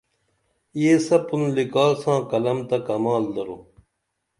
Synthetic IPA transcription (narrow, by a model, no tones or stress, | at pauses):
ieːsɐpunlikaːlsãːkɐlɐmt̪ɐkɐmaːld̪ɐɾoː